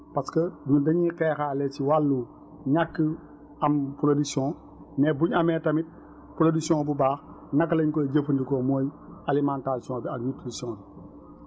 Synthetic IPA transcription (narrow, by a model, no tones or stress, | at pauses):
paskɐɲudɐɲiqeːxaːlet͡ʃiwalːu | ɲakːə | ampuɾodisiɔ̃ː | nebuɲɐmetɐmit̚ | pɾodisiõːbubaːx | nakːlɐɲkoɟəfəndikomoːjalimãːntaːɾsiõːbiakɲutɾisɔ̃bi